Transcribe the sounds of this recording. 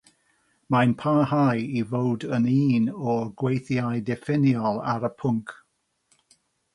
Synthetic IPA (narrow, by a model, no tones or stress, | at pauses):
majnpʰahajivowdəniːnɔɡwejθjajdɛfɪnjɔlˠaɾəpʰʊŋkʰ